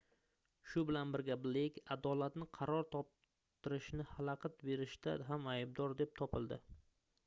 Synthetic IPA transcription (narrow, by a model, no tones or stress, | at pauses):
ʃʊbɪlanbɪɾɡʲablɪkʲad̪ɒlat̪nɪqʰɑɾɒɾt̪ʰɒp̚ | t̪ʰɪɾɪʃnɪhalaqʰɨt̪be̞ɾɪʃt̪a̰ɦamajb̚d̪ɒɾd̪e̞p̚t̪ʰɒpɪlˠd̪ɪ